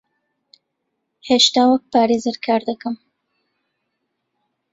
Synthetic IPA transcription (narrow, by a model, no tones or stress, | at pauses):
heʃt̪aːwək̚paːɾeːzɨɾkʰaːɾd̪əkɨm